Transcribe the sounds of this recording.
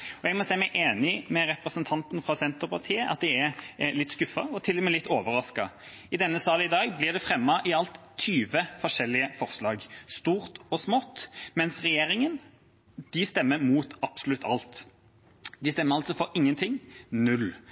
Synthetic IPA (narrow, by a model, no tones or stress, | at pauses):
ɔɛɡmɔsæɪmæɪʔeːnɪmɛɾɛpʁəsənt̪ʰɑnt̪n̩fʁɑsɛnt̪əʁpʰɑʁt̪ʰiːəʔɑ̰t̪̚d̪ɪɛlɪt̪ːskʉfːɑ̰ɔt̪ʰɪlːmɛlɪt̪ːoːʋəɾɑskɑ | ɪd̪ɛnːəsɑːlɪd̪ɑːɡblɪʁd̪ɛfɾɛmːɑʔɪɑlt̪ʰːyːʋəfɔʂɛlːɪəfɔʁslɑːɡst̪uːʁt̪ɔsmɔt̪mɛnsʁɛjeːɾɪŋən | d̪̥ɪst̪ɛmːəɾmuːt̪ɑb̥sʊlʉt̪ːɑ̰lt̪ | d̪ɪst̪ɛmːəɾɑlt̪sɔfɔɾɪŋːənt̪ʰɪŋnʉl